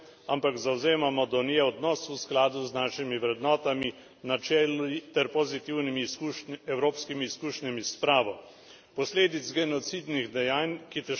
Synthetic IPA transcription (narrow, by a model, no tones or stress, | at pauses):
ampakzawzeːmamɔd̪ɔnijɛɔd̪nɔːsusklaːd̪uznaːʃimiʋɾɛd̪nɔːt̪ami | nat͡ʃɛːlit̪ɛɾpɔzit̪iwnimiuɛwɾoːpskimiːskuːʃnamispɾaːʋɔ | pɔsleːd̪it̪zɡɛnɔt̪sid̪niɣd̪ɛjaːnkit̪ɛ